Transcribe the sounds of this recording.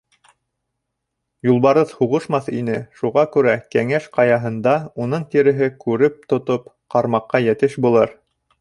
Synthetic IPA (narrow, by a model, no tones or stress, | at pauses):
julˠβɑɾɤðhuʁɤʃmɑθinɘʃuʁɑkʉɾækæŋæʃqɑjɑɦɤ̆nd̪ɑunɤɴt̪iɾɘ̆ɦɘkʉɾɘp̚t̪ŏt̪opqɑɾmɑqːɑjɘ̆t̪ɘʃbulˠɤɾ